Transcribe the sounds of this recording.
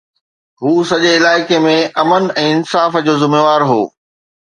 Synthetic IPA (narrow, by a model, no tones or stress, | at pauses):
ɦuːsɐʄeɪlaːɪkemẽɐmənɛ̃ːɪnsaːfd͡ʑoːzɪmeʋaːɾɦo̰ː